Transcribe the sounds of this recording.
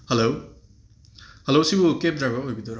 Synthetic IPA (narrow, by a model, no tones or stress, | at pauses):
helow | helowsibukep̚dɾajbɐojbid̪oɾ